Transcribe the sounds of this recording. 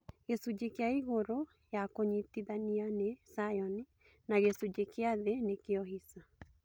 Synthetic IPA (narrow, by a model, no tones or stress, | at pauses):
ɣesud͡ʑekeaiɣoɾo | jakoɲitiðanianesajɔni | naɣesud͡ʑekeaðenekeɔɦisa